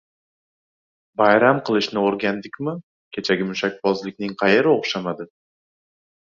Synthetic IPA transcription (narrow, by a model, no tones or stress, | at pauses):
bajɾamqʰɨlˠɪʃnɪoɾɡʲand̪ɪkʲmɪ | kʲʰe̞t͡ʃʰaɡʲɪmʊʃak̚ʲbɒzlɪkʲnɪŋqʰɑje̞ɾɪoχʃamad̪ɪ